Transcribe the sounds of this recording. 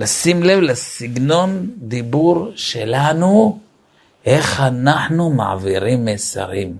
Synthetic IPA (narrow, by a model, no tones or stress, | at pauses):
lasimle̞vlasiɡno̞nd̪ibuɾʃelanu | ʔeχhanaħnuma̰ʕa̰viʁimːesa̰ʁim